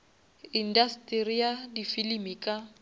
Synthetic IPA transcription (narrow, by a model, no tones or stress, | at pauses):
indastʼirijadifilimikʼa